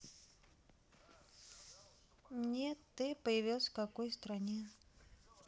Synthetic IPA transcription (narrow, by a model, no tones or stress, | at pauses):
nʲet̪ːɨpəjɪvʲilˠsʲfkakojst̪ɾanʲe